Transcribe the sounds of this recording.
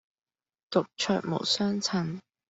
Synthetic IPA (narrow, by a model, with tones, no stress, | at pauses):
t̪ʊ˨k̚t͡ʃʰœ̰ː˧k̚mo̰˨˩wsœː˥ŋt͡sʰɐ˨˩n